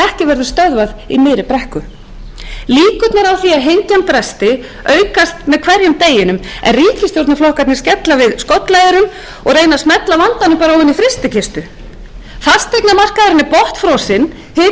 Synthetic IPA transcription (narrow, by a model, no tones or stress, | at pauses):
ɛhcɪvɛɾðʏst̪œðvaðimɪːɾɪpɾɛhkʏ | liːkʏt̪nɛɾawθiaɦejɲcanpɾɛst̪ɪ | œːɥkast̪mɛðkʰvɛɾjʏmt̪eːjɪnʏmɛ̰nriːcɪst̪jowɾt̪naflɔhkat̪nɪscɛt̪lavɪðskɔt̪lajðɪɾʏm | ɔɣreːjnasmɛt̪lavant̪anʏmpaːɾaɔɪnːifɾɪst̪ɪcʰɪst̪ʏ | fast̪ejk̪namar̥kaðʏɾɪnɪpɔht̪fɾɔwsɪn | hɪ